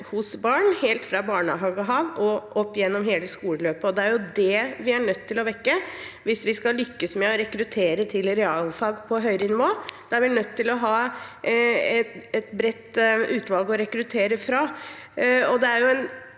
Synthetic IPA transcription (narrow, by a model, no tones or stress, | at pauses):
hʊsbɑːɳheːlt̪fɾɑbɑːɳɑɦɑːɡəɦɑːʋɔʔɔpːjɛnːɔmɦeːləskuːləløːpəɔd̪ɛæɾjʊd̪ɛʋɪæɳœt̪ʰːɪlɔʋɛkːəʋɪsʋɪskɑlʏkːəsmɛɔɾɛkɾʉt̪ʰeːɾət̪ʰɪlɾɛɑːlfɑːɡpʰɔɦœʏɾənɪʋoːd̪̥ɛæʋɪnœt̪ːɪlɔɦɑː | ɛɛt̪bɾɛt̪ːʉːt̪ʋɑlɡɔɾɛkɾʉt̪ʰeːɾəfɾɑ | ɔd̪ɛæɾjʊɛn